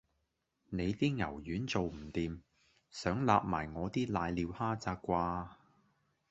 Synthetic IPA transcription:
ne˨˧jt̪iː˥ŋɐ̰˨˩wjyː˨˥nt͡so˨wm̩˨˩t̪iː˨m | sœː˨˥ŋla̰ː˧p̚ma̰ː˨˩jŋɔː˨˧t̪iː˥laː˨˧jliː˨˧whaː˥t͡saː˧kkʷaː˧

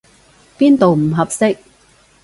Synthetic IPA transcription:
piː˥nt̪o˨wm̩˨˩ɦɐ˨p̚sɪ˥k̚

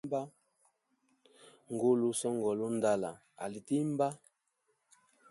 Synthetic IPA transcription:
ba˦ | ŋ˨ɡo˦lu˦sɔ˦ŋɡɔ˨lo˦n˦da˦la̰˨ | a̰˨li˨ti˦m˦ba˦

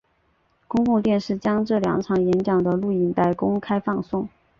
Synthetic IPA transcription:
kʊ˥ŋkʊ˥˧ŋt̪jɛ˥˧nʂɻ̩˥˩t͡ɕjɑ˥ŋʈ͡ʂɤ˥˩ljɑ̰˧˥ŋʈ͡ʂʰɑ˧˥ŋjɛ˧˥nt͡ɕjɑ˨˩ŋd̪ə˦lu˥˩i˧˩nt̪a˥˩ɪkʊ˥ŋkʰa˥ɪfɑ˥˧ŋsʊ˥˩ŋ

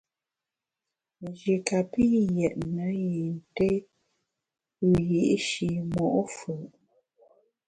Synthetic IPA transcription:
d͡ʒi˨ka˨pi˦jɛ˨ʔnə˨˦je˨n̩˨te˦ | ʉ˦ji˨˦ʔʃi˨mɔ˨ʔfə˨

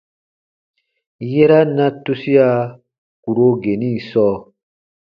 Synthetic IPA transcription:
je˦ɾa˦nã˦tu˦si˦a˦ | ku˨ɾo˦ɡe˨nĩ˦sɔː˦

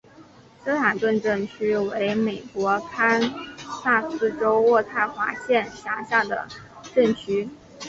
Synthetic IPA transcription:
sɤ˥t̪ʰa˨˩t̪wə˥˧nʈ͡ʂɤ˥˩nt͡ɕʰy˥we˧˥ɪme˨˩ɪkwɔ˧˥kʰa˥nsa˥˩sɹ̩˥˩ʈ͡ʂo˥ʊwɔ˥˧t̪ʰa˥˩ɪxwa̰˧˥ɕjɛ˥˩nɕja˧˥ɕja˥˩d̪ə̰˩ | ʈ͡ʂɤ˥˩nt͡ɕʰy˥

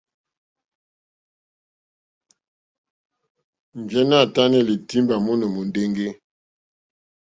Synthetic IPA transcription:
m˨vjɛ˦na˦˨ta˦nɛ˦li˨ti˦mba˨mɔ˦nɔ˨mo˨nde˦ŋɡe˦

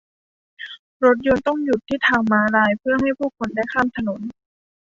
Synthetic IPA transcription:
ɾo˧˦˥t̪̚jo˧nt̪ɔ˥˩ŋju˨˩t̪ʰːiː˥˩t̪ʰaː˧˩ŋmaː˧laː˧jpʰɯ˥˩ɐɦa˥˩jpʰuː˥˩kʰːo˧nda˥˩jkʰaː˥˨mt̪ʰa˧no˩˦n

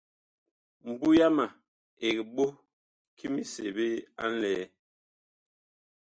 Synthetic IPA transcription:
m̩˨bu˦ja˦ma˨ | e˨ɡi˨ɓo˦ | kʰi˦mi˨se˨be˦a̰˦n̩˦lɛ˨˦

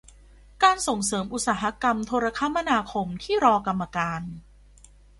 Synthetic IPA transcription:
kaː˧nso˨˩ŋsɤː˩˦mʔu˧˥t̚saː˩˦ɦa˧˥ka˧mt̪ʰoː˧ɾa˧kʰa˦˥ma˧˨naː˧kʰo˧mt̪ʰiː˥˩ɾɔː˧ka˧mːa˧kaː˧n

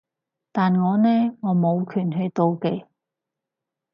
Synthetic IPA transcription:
t̪aː˨nŋɔː˨˧nɛː˥ŋɔː˨˧mo˨˧wkʰyː˨˩nɦɵ˨˧ɥt̪o˧wke˨˧j

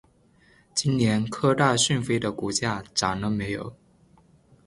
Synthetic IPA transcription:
t͡ɕi˥nnjɛ˧˥nkʰɤ˥t̪a˥˧ɕy˥˩nfe˥ɪd̪ə˨ku˧˥˩t͡ɕja˥ʈ͡ʂa˨˩nlə˧˦me˧˥ɪjo̰˨˩˦ʊ

